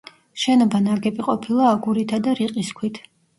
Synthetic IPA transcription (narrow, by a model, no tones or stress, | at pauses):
ʃɛnɔbanaɡɛpʼiqʼɔpʰilˠaːɡuɾit̪ʰad̪aɾiqʼiskʰwit̪ʰ